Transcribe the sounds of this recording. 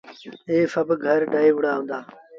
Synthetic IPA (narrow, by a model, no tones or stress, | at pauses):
eːfɐbɡʱɐɾɖaːiʋʊɽaːɦũːnd̪aː